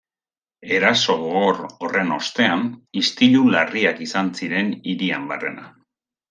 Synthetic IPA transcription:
e̞ɾaso̞ɣoɣo̞ɾo̞re̞no̞st̪e̞anist̪iʎulariakisansiɾe̞niɾiambere̞na

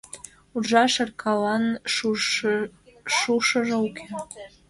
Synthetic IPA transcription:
uʒɑʃə̆rkʰɑlɑn | ʃuʃɤ̆ʒĕuke

